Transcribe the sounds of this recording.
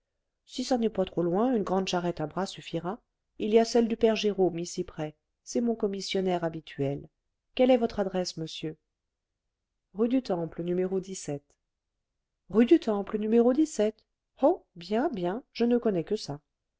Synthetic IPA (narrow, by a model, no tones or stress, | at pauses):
sisanɛpat̪χolwɛ̃ynɡʁɑ̃d̪ʃaʁɛt̪abʁasyfiʁa | iliasɛld̪ypɛʁʒeʁomisipχɛ | sɛmɔ̃kɔmisjɔnɛʁabit̪ʰɥɛl | kʲɛlɛvɔt̪χad̪ʁɛsməsjø | ʁyd̪yt̪ɑ̃plənymeʁod̪isɛt̪ | ʁyd̪yt̪ɑ̃plənymeʁod̪isɛt̪ | ɔbjɛ̃bjɛ̃ʒ̥ənəkɔnɛkəsa